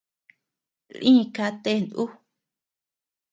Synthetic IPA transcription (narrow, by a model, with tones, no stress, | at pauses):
lʔĩ˦˧ka˧t̪e˦˧˨nd̪ʔu˦